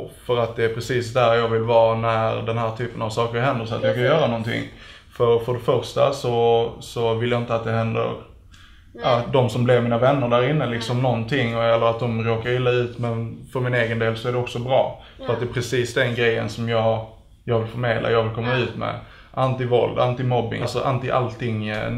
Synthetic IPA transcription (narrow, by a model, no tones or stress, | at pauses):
fœɾat̪̚d̪ɛæpʰɾɛsiːsd̪æɾjɑːɡvɪlvɑːnæɾd̪ɛnɦæːʈ̪ʰyːpənavsɑːkəɾhɛnd̪əʂɔa̰t̪jɑɡkʰanjœːɾanɔnt̪ʰɪ̰ŋː | fœɾfœɖɛfœɾʂʈa̰sɔsɔvɪljaɪnt̪əat̪̚d̪ɛɦɛnd̪ə̰ɾ | ɑd̪ɔmsɔmblɪvmiːnavɛnːəɾɖæɾɪnːəlɪksɔmnɔnt̪ʰɪŋːɛlːəɾat̪̚d̪ɔmɾoːkaɾɪlːaʉ̟ːt̪mɛnfœɾmɪneːɡənd̪eːlsɔæɖɛɔksɔbɾɑ̰ː | fœɾat̪d̪ɛːpʰɾɛsiːsd̪ɛnɡɾɛjːə̰nsɔmjɑː | jɑːɡvɪlfœɾmeːd̪lʔa̰jɑːɡvɪlkʰɔmːaʉ̟ːt̪mɛ̰ | ʔant̪ɪvɔld̪a̰nt̪ɪmɔbːɪ̰lsɔʔant̪ɪʔa̰lt̪ʰɪŋː